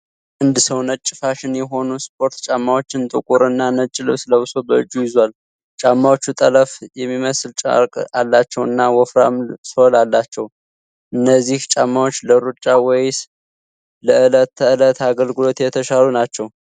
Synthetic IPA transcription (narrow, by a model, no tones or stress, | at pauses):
ʔɨnd̪ɨsəwnət͡ʃʼːɪfaʃɪnjɛɦo̞nuspʰʼo̞ɾt̪t͡ʃʼamːawot͡ʃːɪnt̪ʼɨkʼuɾɨnːanət͡ʃʼːɪlɨβsləβɨso̞bəɨ̰d͡ʒːujɪzwal | t͡ʃʼamːawot͡ʃːut̪ʼələfjɛmːiməsɨlt͡ʃʼa̰ɾkʼalːat͡ʃːɛwɨnːawɔfɾa̰msolalːat͡ʃːɛw | ʔɨnːəzːiht͡ʃʼamːawot͡ʃːləɾut͡ʃʼːawɔjs | ləɨlət̪ːəɨlət̪ʰaɡəlɡɨlo̞t̪jɛt̪ʰəʃalunat͡ʃːɛw